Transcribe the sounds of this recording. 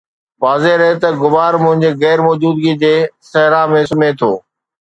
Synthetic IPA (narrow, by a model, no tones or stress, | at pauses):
ʋaːzeɾɐɦet̪ɐɡʊʋaːɾmʊ̃ɦɪ̃ɲd͡ʑeɣɛːɾmɔːd͡ʑuːd̪ɡid͡ʑeːsɐɦɾãmẽsʊmet̪ʰoː